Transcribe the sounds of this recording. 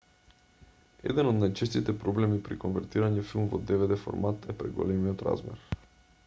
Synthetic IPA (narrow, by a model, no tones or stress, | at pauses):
ɛ̰d̪ɛnod̪najt͡ʃɛst̪it̪ɛpɾoblɛmipɾikonvɛɾt̪iɾaɲɛfilˠmvɔ̰d̪ɛvɛd̪ɛfo̰ɾmat̪ɛpɾɛ̰ɡo̰lɛmiot̪ɾa̰zmɛ̰ɾ